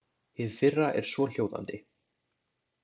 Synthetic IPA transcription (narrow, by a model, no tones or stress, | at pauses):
hɪðfɪrːaʔɛ̰ɾ̥svɔl̥joːwða̰nt̪ɪ